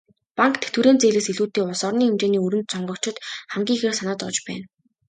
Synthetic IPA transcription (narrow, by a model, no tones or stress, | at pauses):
paŋkt̪ʰe̥t̪wuɾeːnt͡seːɮeːsiɮuːt̪eːʊsɔrniːxemt͡ɕeːniːɵɾɘ̆nt̪̚t͡sʰɔɴɢɞ̆kt͡ɕʰɪ̆t̪χæmɡʲiːŋxeːrsanaːt̪ɔt͡ɕpæ̰ːn